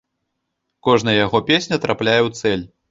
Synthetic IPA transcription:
kɔʐnɐjɐjaɣɔpʲesʲnʲɐt̪ɾʔaplʲajɛwt̪sɛlʲ

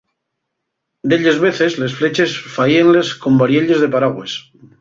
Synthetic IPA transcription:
d̪eʎezβe̞θe̞zle̞sfle̞t͡ʃe̞sfaienle̞sko̞mbaɾjeʎe̞zðepaɾaɣwe̞s

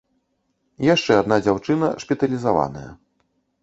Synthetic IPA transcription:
jaʂt͡ʂɛad̪nad͡zʲawt͡ʂɨnɐ̰ʂpʲɛt̪ɐlʲizava̰nɐjɐ̰

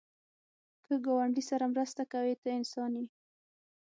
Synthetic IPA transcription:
kəɡɑwaɳɖisaɾamɾəst̪akawet̪əɪnsɑni

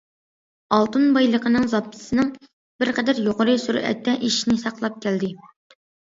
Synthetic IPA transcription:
ɑlˠt̪ɨnbɑjlˠəqʰənɨŋzɑp̪ːɨ̥sɨnɨŋ | bɪɾqʰɛd̪æɾjoʁəɾɨsuɾɛ̰t̪ʰːɛʔiʃinɪsɑqlˠɑp̚kʲæld̪ɪ

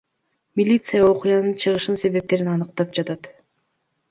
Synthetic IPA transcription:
mʲilʲit̪sɨjao̞qʊjɑnɯnt͡ʃʰɯʁɯʃɯnse̞βe̞p̚t̪e̞ɾinɑnɯqt̪ɑp̚d͡ʒɑt̪ɑt̪

